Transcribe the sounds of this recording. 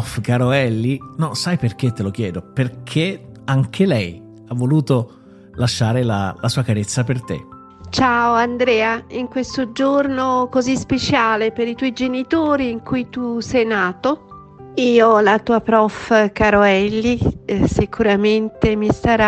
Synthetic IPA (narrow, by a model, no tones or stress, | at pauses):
fkaːɾoɛlːinɔsajperk̟et̪ːelok̟jɛːd̪operkʰeaŋk̟ʰelɛj | avːoluːt̪o | laʃːaːɾela̰lasuːakaɾet̪sːapert̪ḛ | t͡ʃaːoand̪ɾɛːaiŋkwest̪od͡ʒornokozispet͡ʃaːlepeɾit̪wɔjd͡ʒenit̪oːɾiːŋkujt̪usɛjnaːt̪o | iːolat̪uːapɾɔfkaɾoɛlːisikuɾament̪emist̪aɾa